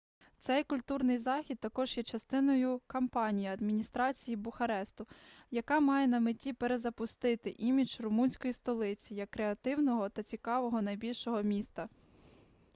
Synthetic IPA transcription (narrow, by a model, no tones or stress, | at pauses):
t̪sɛjkʊlʲt̪urnɪjzɑxʲid̪̚t̪ːɐkɔʒjɛt͡ʃɐst̪ɪnɔjʊkɐmpɑnʲijɐɐd̪mʲinʲist̪ɾɑt͡sʲijibʊxɐɾɛst̪ʊjɐkɑmɑjɛnɐmɪtʲːipeɾezɐpʊst̪ɪt̪ɪʔimʲit͡ʃrʊmunʲsʲkɔjist̪ɔlˠɪt͡sʲijɐkːɾeɐt̪ɪwnɔɦɔt̪ɐt͡sʲikɑʋɔɦɔnɐjbʲilʲʃɔɦɔmʲist̪ɐ